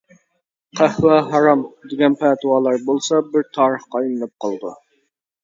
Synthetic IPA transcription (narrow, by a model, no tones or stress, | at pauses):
qʰæhwæɦɑɾɑmd̪ɪɡʲɛnpʰæːt̪ʰɨwɑːlˠɑɾbolˠsɑbɪɾt̪ʰɑːɾəχqɑilˠɨnɨp̚qʰɑlˠd̪ṵ